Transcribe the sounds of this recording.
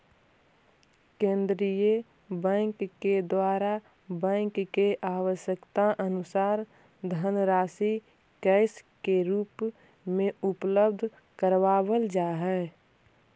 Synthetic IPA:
kẽːnd̪ɾijə | bɛ̃ːŋkːed̪waːɾa | bɛ̃ːŋkkeʔaːwəʃjəkt̪aʔənʊsaːɾ | d̪ʱənɾaːsi | kɛɪskeɾuːp | mẽʊpləb̚d̪ʱ | kəɾwaːwəld͡ʒaːɦɛː

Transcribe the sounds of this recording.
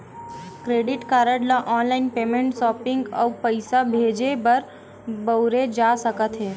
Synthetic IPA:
kɾeːɖɪʈkaːɾəɽlaʔɔːnlaːɪnpeːmẽɳʈsɔːpɪ̃ŋɡɔ̰ːpəɪsabʱeːd͡ʒebɐɾ | bəʊɾed͡ʒaːsəkət̪ɦɛː

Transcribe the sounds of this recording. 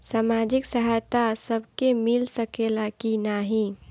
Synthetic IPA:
saːmad͡ʒɪksəɦajt̪asəbʱkemɪlsəkelakinaɦĩ

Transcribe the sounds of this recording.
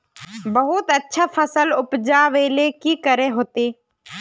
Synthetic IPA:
bəɦʊt̪ɐtːʃʰafʰəsəlʊpd͡ʒaːʋeːlekikəɾeɦoːt̪eː

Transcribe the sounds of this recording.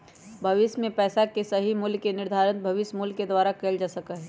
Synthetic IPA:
bʱɐʋɪʃmẽpɛːsakesɐɦimʊlkenɪɾd̪ʱaːɾənbʱɐʋɪsmʊlked̪waːɾakeːld͡ʒaːsɐkaɦɛː

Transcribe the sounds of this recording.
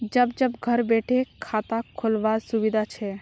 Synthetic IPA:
d͡ʒəbd͡ʒəbɡʱəɾbeʈʰekʰat̪akʰːolʋasubid̪ʱat͡ʃʰɛ

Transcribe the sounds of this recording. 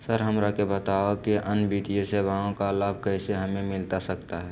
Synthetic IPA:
səɾɦəmɾakebət̪aokiʔənbit̪ijesebaõkalaːb̚ʱkɛɪseɦəmẽmɪlt̪asəkt̪aɦɛ

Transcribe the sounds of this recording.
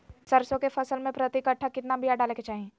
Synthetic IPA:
sɐɾsõkefɐsəlmẽpɾɐt̪ikəʈʰːakɪt̪nabʱijaɖaːleːket͡ʃaːɦiẽː

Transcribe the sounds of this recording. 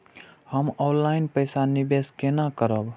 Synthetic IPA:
həmɔnlaɪnpəjsanibeskenakəɾəb

